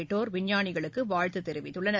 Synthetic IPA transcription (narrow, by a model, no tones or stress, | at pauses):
ɪʈːoːɾʋɪɲjaːɳɪɣɐɭɯkːɯʋaːɻt̪ːɯt̪ːɛɾɪʋɪt̪ːɯɭːɐnɐ